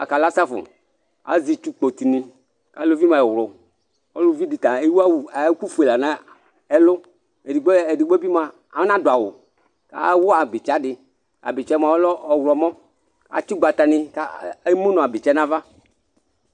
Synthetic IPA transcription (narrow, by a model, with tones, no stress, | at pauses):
a̰˨ka˨la˦sa˦fʊ̰˨ | a̰˨zi˨t͡ʃu˦k͡po˨t̪i˨ni˨ | ka˦lo˦vi˦mã˨ɛ˨wlʊ˨ | ɔ˦lʊ˦vi˦di˨t̪a˨e˦wu˦a˦wku˦fu˨e˨la˨nã˦ | ɛ˦lʊ˦ | e˨di˨ɡ͡be˨di˨ɡ͡be˦bi˦mã˨ | a˨˦nã˦dʊ˨a˨wʊ̰˨ | ka̰˦wʊ˦a˨bi˨t͡ʃa˦dɪ˨ | a̰˨bɪ˨t͡ʃɛ˦mã˨˦lɔ˦˨wlɔ˨mɔ̃˦ | a̰˨t͡ʃi˦ɡ͡ba˨t̪a˨nɪ̃˦ka˦e˦mũ˦nɔ̃˨a˨bɪ˨t͡ʃɛ˦nã˦va˦